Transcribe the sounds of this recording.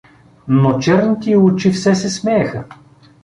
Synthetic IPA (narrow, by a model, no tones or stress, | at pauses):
not͡ʃɛɾnit̪iʊt͡ʃifsɛsɛsmɛɛxə